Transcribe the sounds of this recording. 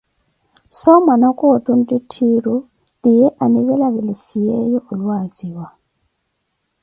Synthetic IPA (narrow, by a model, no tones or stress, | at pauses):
sɔmanakʼotʼun̩tʼitʰiɾu | lijɛʔaniβɛlaβɛlisijɛjɔʔulwaziːwa